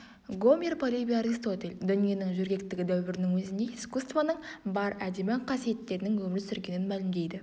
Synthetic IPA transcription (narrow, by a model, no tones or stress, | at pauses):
ɡo̞mʲerpʰolʲivʲiaɾist̪o̞t̪e̞lʲd̪ʏnije̞nɪŋʒʏɾɡʲe̞k̚t̪ɪɡʲɪd̪æwbɪɾɪnɪŋwɵzɪnd̪e̞skust̪vanəɴbɑɾæd̪emɪqʰɑsije̞t̪ːe̞ɾɪnɪŋwɵmɪɾsʏɾɡʲe̞nɪnmælɪmd̪e̞jd̪ɪ